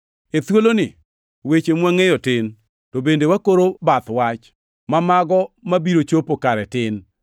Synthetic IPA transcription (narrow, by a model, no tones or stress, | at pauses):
et̪wolonɪ | wet͡ʃemwaŋejɔtɪn | tobendewakoɾobat̪wat͡ʃ | mamaɡɔmabiɾot͡ʃopokaɾɛtɪn